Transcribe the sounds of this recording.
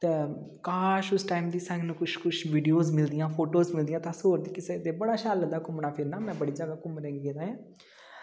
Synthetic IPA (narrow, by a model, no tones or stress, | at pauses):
t̪eː | kaːʃʊsʈaːimd̪iːsə̃ŋɡnũːkʊʃkʊʃʋiːɖijoːzmɪld̪ɪjãːpʰoːʈoːzmɪld̪ijãːt̪ãsoːɾd̪iːkɪseːt̪eːbəɽaːʃaːləd̪aːkʊmnaːpʰɪɾnaːmɛ̃ːbəɽiːd͡ʒaːɡaːkʊmɾɛ̃ːɡed̪aːãː